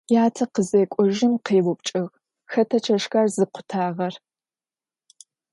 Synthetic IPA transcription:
jaːtʰɐqəzejkʷʼɔʒɪmqeːwʊpt͡ʃʼɐɣ | xɐtʰɐt͡ʃʰɐʂxarzɨqʷʰʊ̥tʰaːʁɐr

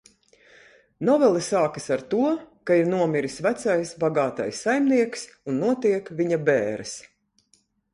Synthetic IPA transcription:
nɔvɛlˠisaːkisaɾt̪uɔkaiɾnuɔmʲiɾisvæt̪sajsbaɡaːt̪a̰jsːajmniɛksunːuɔt̪iɛkvʲiɲabɛːɾs

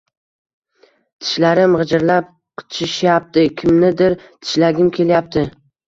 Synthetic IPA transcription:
t̪ʰɪ̥ʃlaɾɪmʁɨd͡ʒɪɾlap̚ | qʰʊ̥t͡ʃʰɪʃjap̚t̪ɪkʲʰɪmnɪd̪ɪɾt̪ʰɪ̥ʃlaɡʲɪmkʲʰe̞ljap̚t̪ʰɪ

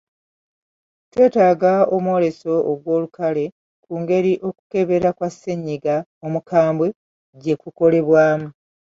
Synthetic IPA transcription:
twe̞ːtaːɡaomuwo̞ɾe̞so̞ːɡwo̞ːlukʰale̞ | kuːŋɡe̞ɾiʔo̞ku̥ke̞βe̞ɾakwasːe̞ɲːiɡa | o̞mukʰaːmbwe | ɟe̞kuko̞le̞βwaːmu

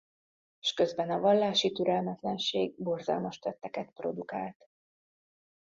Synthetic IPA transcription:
ʃkø̞zbɛnɒvɒlːaːʃit̪yɾɛlmɛt̪lɛnʃeːɡ̚bo̞rzɒ̰lmɒʃt̪ɛt̪ːɛkɛt̪pro̞̰d̪ukaːlt̪

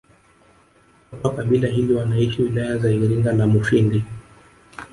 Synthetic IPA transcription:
akwakaɓilaɦiliwanaiʃiwilajazaiɾiŋɡalamufindi

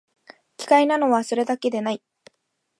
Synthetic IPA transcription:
kʲi̥kainano̞βaso̞ɾe̞d̪ake̞d̪e̞nai

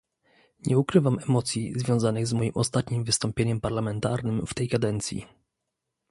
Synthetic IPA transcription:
ɲɛukɾɘvamɛmɔt̪sʲjizvʲjɔ̃w̃zanɘɣzmɔjimɔst̪at̪ɲimvɘst̪ɔmpʲjeɲɛmpaɾlamɛnt̪aɾnɘmft̪ɛjkad̪ɛnt̪sʲjḭ

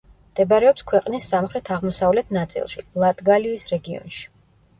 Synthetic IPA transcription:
md̪̥ɛbaɾɛɔpskʰwɛqʼnisːamχɾɛt̪ʰaʁmɔsavlɛt̪ʰnat̪sʼḭlˠʃḭlˠat̪ʼɡaliːsɾɛɡiɔ̰nʃi̥

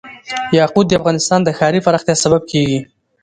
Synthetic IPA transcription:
jɑqud̪̚ːəafɣɑnɪst̪ɑnd̪əxɑɾipaɾɑχxt̪jɑsabab̚kʰeɡi

